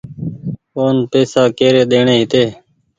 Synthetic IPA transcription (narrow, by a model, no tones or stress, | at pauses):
oːnpeːsaːkeːɾeːɗ̪eːɳeːɦɪt̪eː